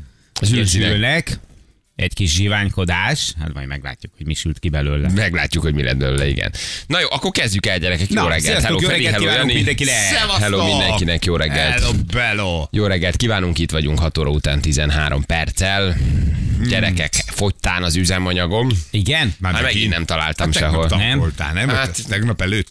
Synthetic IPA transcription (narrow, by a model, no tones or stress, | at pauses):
ɒzyzylnɛk | ɛckiʃʒivaːɲko̞d̪aːʃha̰t̪mɒ̰jmɛɡla̰ːcːukhoɟmiʃylt̪̚kibɛløːlːɛmɛɡla̰ːcːukhoɟmilʔɛ̰nbølːɛ̰ḭɡɛ̰nnɒjoːʔɒkːorkɛzɟykɛlɒɟɛɾɛkɛkjoːɾɛɡːɛlt̪hɛloːɛlnimid̪ɛŋkiɛhɛloːmind̪ɛŋkinɛkjoːɾɛɡːɛllbɛlojoːɾɛɡːɛlt̪kiːvaːnuŋkit̪ʋɒɟuŋkhɒt̪oːɾɒut̪aːnt̪izɛnɦa̰ːɾʔo̞̰mpɛrt̪sɛl | ɟɛɾɛkɛkfo̞ct̪aːnɒzyzɛmɒɲɒɡo̞miɡɛnmamaːmɛɡiɛmt̪ɒla̰ːlt̪ɒmʃɛɦolɛmt̪a̰ːnɛmat̪ɛɡnɒpɛløːt̪ː